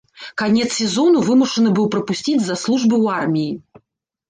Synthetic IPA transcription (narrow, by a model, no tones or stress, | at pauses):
kanʲɛt̪ssʲɛzɔnuvɨmuʂɐnɨbɨwpɾɐpusʲt͡sʲid͡zʲzaslˠuʐbɨwarmʲiji